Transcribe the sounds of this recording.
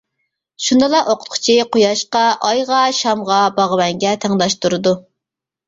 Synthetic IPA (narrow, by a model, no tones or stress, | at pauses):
ʃund̪ɨlˠɑʔoqʰʊt̪̚qʰʊ̥t͡ʃʰiqʰojɑʃqɑʔɑjʁɑʃɑmʁɑbɑʁəwɛŋɡʲɛt̪ʰæŋd̪ɑʃt̪uɾɨd̪u